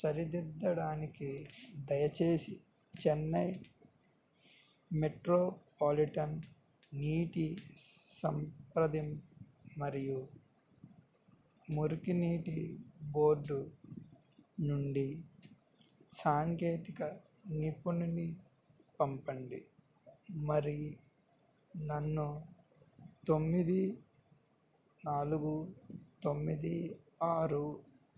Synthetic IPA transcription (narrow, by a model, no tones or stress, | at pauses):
sɐɾid̪id̪ːɐɽaːnikid̪ɐjɐt͡ʃe̞ːsi | t͡ʃɛnːɐj | meʈɾoːpaːliʈɐn | niːʈisɐmpɾɐd̪imː | ɐɾiju | muɾukiniːʈibo̞ːɾɖu | nuɳɖi | saːŋkeːt̪ikɐ | nipunini | pɐmpɐɳɖḭ | mɐɾi | nɐnːu | t̪omːid̪i | naːluɡut̪o̞mːid̪i | aːɾu